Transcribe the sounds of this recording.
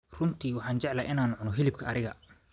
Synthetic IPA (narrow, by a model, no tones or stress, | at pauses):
rʊnt̪ʰiːwɑħɑːnt͡ʃɛʕlaːʔɪnaːnʕʊnɔɦɪlɪb̚kʰɐʔɐɾɪɣɐ